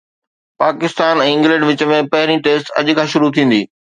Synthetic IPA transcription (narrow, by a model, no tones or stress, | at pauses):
paːkɪst̪aːnɛ̃ːɪ̃ŋɡlə̃ɳɖʋɪt͡ɕəmẽpɐɦɪɾiʈeːsʈɐ̰ʄ̆kʰãːʃʊɾut̪ʰĩːn̆d̪iː